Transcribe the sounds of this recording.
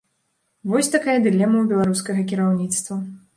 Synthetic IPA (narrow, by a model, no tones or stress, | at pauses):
vɔsʲt̪akajɐd̪ɨlʲɛmɐwbʲɛlˠaɾuskɐɣɐkʲiɾawnʲit̪st̪vɐ